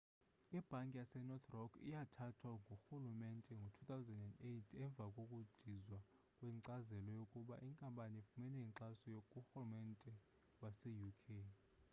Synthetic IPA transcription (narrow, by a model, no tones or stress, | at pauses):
ib̥ʱaŋkʼijasɛnɔt̪ʰrɔkʰḭjatʰatʰwaŋɡʱuxulumɛntʼɛŋɡʱotʰut̪awzɛndɛndetʰɛɱb̪vʱakʼokʼud̥ʱizwa | kʼwɛǀazɛlɔjokʼuɓa̰ʔiŋkʼampʼanifumɛnɛiǀasɔjokʼuxulumɛntʼɛ | wasɛjukʰe